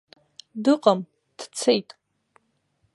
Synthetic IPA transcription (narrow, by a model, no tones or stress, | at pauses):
dɨqʼam | d̥t͡sʰejtʼ